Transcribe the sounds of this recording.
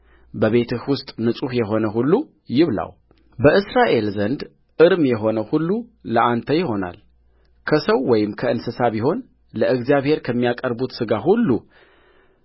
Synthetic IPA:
bəβe̞t̪ʰɨhwʊst̪ʼnɨsʼuhjɛɦo̞nəɦulːu | jɪβla̰w | bəʔɨsɾaʔe̞lzənd̪ | ʔɨɾmjɛɦo̞nəhulːuləʔant̪ʰəjɪho̞na̰l | kʰəsəwːɔjɪmkʰəɨnsɨsaβiɦo̞n | ləʔɨɡzijaβhe̞ɾkʰəmːijakʼəɾbut̪sɨɡaɦulːu

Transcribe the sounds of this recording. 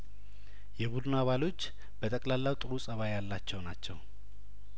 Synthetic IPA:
jɛβud̪naβalo̞t͡ʃː | b̥ət̪ʼəkʼlalːawt̪ʼɨɾusʼəβajalːat͡ʃːɛwnat͡ʃːɛw

